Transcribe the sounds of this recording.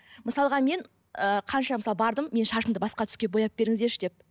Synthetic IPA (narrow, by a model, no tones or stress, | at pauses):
məsɑlˠʁɑme̞n | əqʰɑnʃɑməsɑlˠbɑɾd̪əmːe̞nʃɑʃəmd̪əbɑsqɑt̪ʰʏ̥skʲe̞bo̞jɑp̚be̞ɾɪŋɪzd̪e̞ɾʃɪd̪e̞p̚